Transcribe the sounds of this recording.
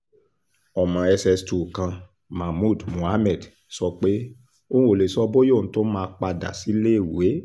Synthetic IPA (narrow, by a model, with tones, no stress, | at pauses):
ɔ˨mã˨ɛ˧sɛ˧stu˨kã˧ | ma˨mu˦˨dmũ˨a˦mɛ˦˨d | sɔ˧k͡pe˦ | o˦ũ˦o˨le˨sɔ˧˦bo˦jo˦˨ñ̩˨˦to˦mãː˦˧˦k͡pa˧da̰˨si˨˦le˦˨we˨˦